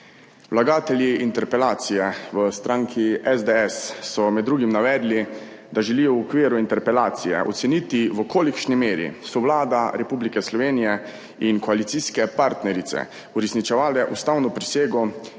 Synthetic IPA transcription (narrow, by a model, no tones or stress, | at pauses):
wlaɡaːt̪ɛljiint̪ɛɾpɛlaːt̪sijɛʋəst̪ɾʔaŋkʰiɛzd̪eɛsːɔmɛd̪ːɾuːɡimnaʋɛːd̪li | d̪aʒɛliːjɔwɔkʋiːɾuint̪ɛɾpɛlaːt̪sijɛ̰ʔɔ̰t̪sɛnit̪iʋɔkʰoːlikʃnimeːɾḭsɔʋlaːd̪aɾɛpublikɛslɔʋeːnijɛ | inkɔalit̪siskɛpaɾt̪nɛɾit̪sɛ̰ | uɾɛsnit͡ʃɛʋaːlɛʔust̪awnɔpɾiseːɡɔ